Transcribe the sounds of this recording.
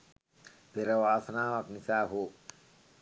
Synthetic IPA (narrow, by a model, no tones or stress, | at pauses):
peɾəʋaːsənaːʋaknisaːɦoː